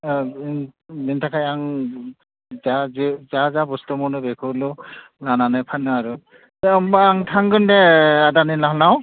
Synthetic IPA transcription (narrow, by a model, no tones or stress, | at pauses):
dintʰakʰajaŋ | zazzazabɔstɔmɔnɯbɛkʰɯlɔ | lananajpʰanɯaɹu | aŋtʰaŋɡɯndɛadanilaɦlaw